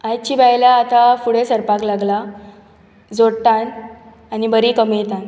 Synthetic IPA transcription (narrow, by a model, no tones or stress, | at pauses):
ajt͡ɕiːbajlaːt̪afuɽesəɾpaklaɡla | d͡zoɽt̪ãn | anibəɾikəmet̪ãn